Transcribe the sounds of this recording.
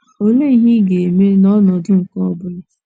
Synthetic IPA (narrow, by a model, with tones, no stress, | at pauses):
o˦le˦˨ɦɪ˦ɡe˨e˨me˦nɔ˦nɔ˨dʊ˦ŋ̩˨kɔ˦bʊ˦